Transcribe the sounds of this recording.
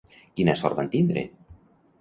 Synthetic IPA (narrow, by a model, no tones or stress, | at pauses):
kinasɔ̰ɾβant̪ind̪ɾḛ